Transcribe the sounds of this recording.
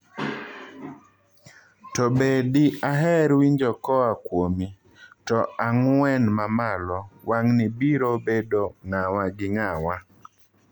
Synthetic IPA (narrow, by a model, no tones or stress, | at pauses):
tɔbediaɦɛɾwiɲd͡ʒɔkɔakwomi | tɔaŋwɛnmamalɔwaŋnɪbiɾobedoŋawaɡɪŋawa